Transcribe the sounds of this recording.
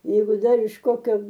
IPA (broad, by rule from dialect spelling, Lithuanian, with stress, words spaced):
ˈjɛɪɡʊ ˈdɐr ɪʃ ˈkoːkʲoː